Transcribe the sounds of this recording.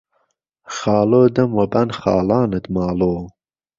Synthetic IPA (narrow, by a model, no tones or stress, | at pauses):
xɑːloːd̪əmwɐbɐnχɑ̰ːlɑːnɨt̪mɑːloː